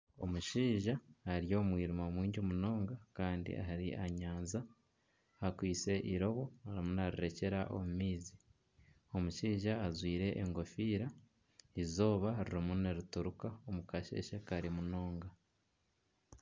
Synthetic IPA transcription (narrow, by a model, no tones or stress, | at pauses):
o̞̰muʃiːʒaaɾijo̞ːmwiːɾumomwiːɲɟomuno̞ːŋɡakaːndḭʔa̰ɦaɾḭʔaɲaːnza | akwiːt͡se̞ʔiɾo̞βo̞aɾimunaɾiɾe̞ce̞ɾaʔo̰mumiːzi | o̞muʃiːʒaːzwiːɾe̞ʔːŋɡo̞fiːɾa | izo̞ːβaɾuɾimuneɾutuɾukaomukaʃe̞̰ʃekaɾimuno̞ːŋɡa